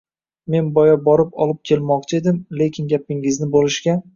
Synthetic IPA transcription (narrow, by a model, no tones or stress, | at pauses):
me̞nbɒjabɒɾɪpɒ̰lˠɪp̚kʲʰe̞lmɒqt͡ʃʰe̞d̪ɪmlekʲʰɪnɡʲapɪŋɪznɪbolɪʃkʲa